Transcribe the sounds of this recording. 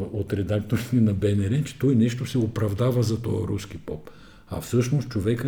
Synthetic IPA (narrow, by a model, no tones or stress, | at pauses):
ot̪ɾɛd̪akt̪oɾit̪ɛnɐbɛnɛɾɛt͡ʃɛ̥t̪ɔjnɛʃt̪osɛopɾɐvd̪avɐzɐt̪ɔ̰jə̰ɾusk̟ipɔp | ɐ̰fsɤʃnost̪t͡ʃovɛkə